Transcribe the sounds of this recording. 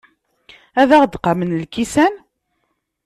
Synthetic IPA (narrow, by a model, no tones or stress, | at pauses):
æðæʁəd̪qɑmənlkisæn